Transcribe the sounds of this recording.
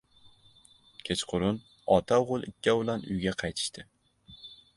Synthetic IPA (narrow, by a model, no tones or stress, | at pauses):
kʲʰet͡ʃqʰʊɾʊn | ɒt̪ʰawʁʊlˠɪkʲʰːabʊlˠanʊ̰jɡʲaqʰɑjt̪ʰɪ̥ʃt̪ʰɪ